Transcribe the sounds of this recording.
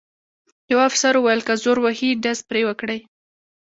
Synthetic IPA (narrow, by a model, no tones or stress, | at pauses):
jawafsaɾuwajəlkazoɾwahiɖazpɾewəkɽəj